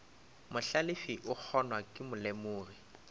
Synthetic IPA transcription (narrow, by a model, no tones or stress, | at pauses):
mʊɬalɪfiʔʊk͡xʰɔnwakʼɪmʊlɛmʊːri